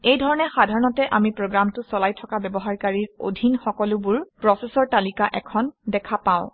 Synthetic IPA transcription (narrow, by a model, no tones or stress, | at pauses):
ejdʱɔɹɔnɛxadʱaɹɔnɔtɛʔamipɹoɡɹamtʊsɔlajtʰɔkabɛbɔɦaɹkaɹiɹo̰dʱinxɔkɔlʊbʊɹpɹɔsesɔɹtalikaʔɛkʰɔndɛkʰapãʊ̃